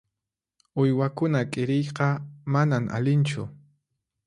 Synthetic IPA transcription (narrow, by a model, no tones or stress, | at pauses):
ʊjwakʊnakʼɪɾɪjqɑmanamʔa̰lɪnt͡ʃʊ̰